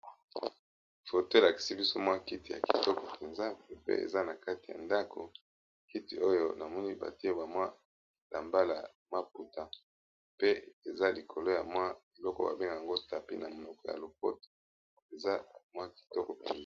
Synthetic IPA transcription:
fo˨to˦la˨ki̥˨si˦bi˦so˦mwa˦ki˦ti˨ja̰˨ki̥˨tɔ˦kɔ˨pʰe˨nza˦˨pḛ˦ḛ˨za˦na˨ka˦ti˨ja̰˨nda˦kʰo˨ | ki˦ti˨o˦jo˦na˨mɔ˦ni˦ba̰˨ti˦e˦ba˨mwa˦ | la˨mba˦la˨ | ma˦pu˨ta˨ | pe˦e˨za˦li˨kʰo˨lo˦ja̰˨mwa˦e˨lɔ˦kɔ˦ba̰˨be˦ŋɡa˨ja˨ŋɡo˦ta˨pḭ˦na˨mo˨nɔ˨kɔ˦ja̰˨lo˨p̚ɔ̰˦to̥˨ | e˨za˦mwa˦ki̥˨tɔ˦kɔ˨pe˨nza˦

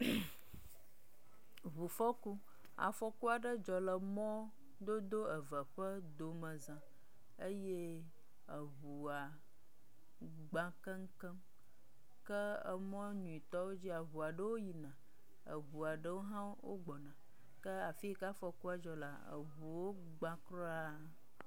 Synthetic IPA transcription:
βu˨fɔ˦ku˦ | a̰˨fɔ˦ku˦a˨ɖə˦d͡ʒɔ˨lə˨mɔ̃˦ | d̪o˦d̪o˦ə˨və˨ɸə˦ | d̪o˨mə̃˨zã˨ | ə˦je˦ | ə˨βu˨a˨ | ɡ͡bã˨kə˦ŋ̩˦kə˦m | kə˦ə˦˨mɔ̃˦ɲũ˨i˨t̪ɔ˦wo˦d͡ʑi˦a˨βu˨a˨ɖə˦wo˦ji˨nã˨ | ə̰˨βu˨a˨ɖə˦wo˦ɦã˦wo̰˦ɡ͡bɔ˨nã˨ | kə˦a˨fi˦ka˦fɔ˨ku˦a˨d͡ʒɔ˨la̰˨ə̰˨βu˨wo˦ | ɡ͡bã˦kɾɔ˦a˦

